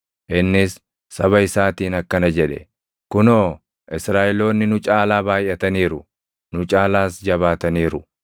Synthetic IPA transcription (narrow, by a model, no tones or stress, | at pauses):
ʔɪnːɪsː | ɐbɐɪsaːt̪iːnɐkːɐnɐd͡ʒɛᶑɛ̰ | kʊnoː | ʔɪsɾaːʔɪlo̞ːnːɪnʊt͡ʃʼaːlaːbaːjʔɐt̪ɐniːɾʊ | nʊt͡ʃʼaːlaːsd͡ʒɐβaːt̪ɐniːɾʊ